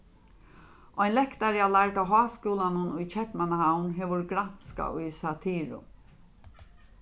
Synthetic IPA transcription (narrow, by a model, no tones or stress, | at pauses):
ʔɔjnlɛkt̪aɾjalaɹʈ̪aɦɔːskuːlanʊnʊjt͡ʃʰɛhpmanaɦawnɦeːʋʊɹɡɾanska̰ʊjsat̪ʰiːɾʊ̰